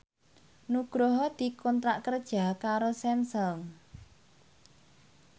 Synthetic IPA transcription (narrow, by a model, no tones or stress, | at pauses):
nuɡ̥ɾoɦɔd̪̥i̤kɔnt̪ɾaʔkərd̥ʒ̥a̤kaɾosɛnsɔŋ